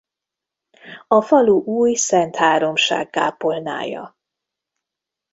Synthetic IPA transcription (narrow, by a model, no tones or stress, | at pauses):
ɒfɒluʔuːjsɛnt̪haːɾo̞mʃa̰ːɡːa̰ːpolna̰ːjɒ̰